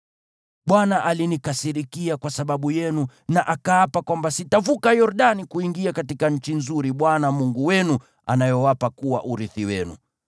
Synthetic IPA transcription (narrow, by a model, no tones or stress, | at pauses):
ɓwanaʔalinikasiɾikiakwasaɓaɓujɛnunaʔakaːpakwambasitavukajɔɾuɗanikuiŋɡiakatikaɲ̩t͡ʃinzuɾiɓwanamuŋɡuwɛnu | a̰najɔwapakuwa̰ʔuɾiθiwɛnṵ